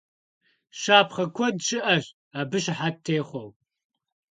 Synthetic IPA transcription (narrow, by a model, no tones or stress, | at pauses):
ʃaːpχɐkʷʰɔdʃɪʔɐɕ | aːbɨʃħatʰːeːχʷɔw